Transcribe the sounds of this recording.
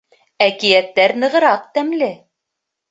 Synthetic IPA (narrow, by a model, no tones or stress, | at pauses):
ækijæt̪ːæɾnɤ̆ʁɤ̆ɾɑq̚t̪æmlɘ